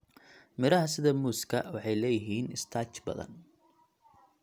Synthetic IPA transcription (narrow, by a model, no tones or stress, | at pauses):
mɪɾɐɦɐsɪðɐmuːskʰɐwɑħɑjlɛːjɪɦiːnɪst̪ʰaːt͡ʃbɐ̰ðɐ̰n